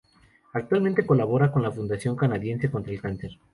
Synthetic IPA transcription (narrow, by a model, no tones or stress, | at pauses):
ak̚t̪walmẽnt̪e̞ko̞laβ̞o̞ɾako̞nlafund̪asjo̞ŋkanaðje̞nse̞ko̞nt̪ɾaelkanseɾ